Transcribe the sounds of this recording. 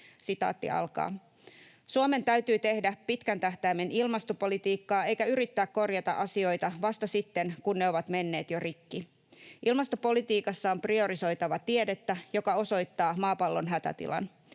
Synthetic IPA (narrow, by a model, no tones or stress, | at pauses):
sit̪ɑ̰ːt̪ːḭɑ̰lkɑ̰ː | suome̞nt̪æɥt̪yːt̪e̞hdæpit̪kænt̪æht̪æimːe̞nilmɑst̪opo̞lit̪iːkːɑːe̞jkæyɾit̪ːæːkko̞rjɑt̪ɑ̰ʔɑsio̞jt̪ɑʋɑst̪ɑsit̪ːe̞nkunːeo̞ʋɑt̪me̞nːe̞ːt̪jorikːi | ʔilmɑst̪opo̞lit̪iːkɑsːɑomprio̞ɾiso̞jt̪ɑʋɑt̪ie̞det̪ːæjo̞kɑo̞so̞jt̪ːɑːmɑːpɑlːo̞nɦæt̪æ̰t̪ḭlɑ̰n